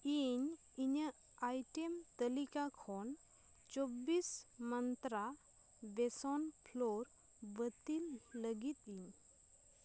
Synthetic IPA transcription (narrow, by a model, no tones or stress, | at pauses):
iɲ | iɲə | ajʈemt̪əlikakʰɔn | t͡ʃɔbismənt̪ɾa | besɔnpʰloɾ | bət̪ilːəɡit̪̚iɲ